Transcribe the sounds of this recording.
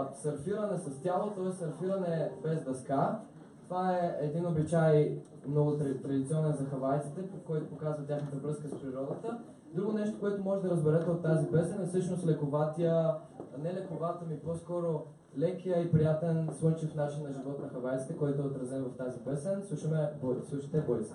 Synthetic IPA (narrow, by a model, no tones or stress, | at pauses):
sɐɾfiɾɐnɛsɐst̪ʲalˠot̪ɔɛssɐɾfiɾɐnɛbɛzd̪ɐska | t̪ovaɛɛd̪inobit͡ʃaj | mnɔɡʊt̪ɾt̪ɾɐd̪it̪siɔnɛnzɐxɐvajt̪sit̪ɛpkɔjt̪opokazvɐt̪ʲjaxnət̪əvɾɤskəspɾiɾɔd̪ət̪ə | d̪ɾuɡonɛʃt̪okoɛt̪omɔʒɛd̪ɐɾəzbɛɾɛt̪ɛot̪ːazibɛsɛnɛsɤʃnost̪lɛkovat̪ijə | nɛlɛkovat̪əmipɔskɔɾo | lɛkʲijəipɾijat̪ɛnslɤnt͡ʃifnat͡ʃinːɐʒivɔt̪nɐxɐvajt̪i̥t̪ɛkɔjt̪oɛot̪ɾɐzɛnvɐft̪azibɛsɛnslˠuʃɐmɛboɾslˠuʃi̥t̪ɛːboɾis